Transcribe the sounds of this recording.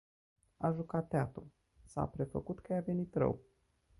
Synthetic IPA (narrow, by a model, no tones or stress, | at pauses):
aʒukat̪ːeat̪ul | sa̰pɾe̞fəkut̪kəjave̞nit̪ɾə̰w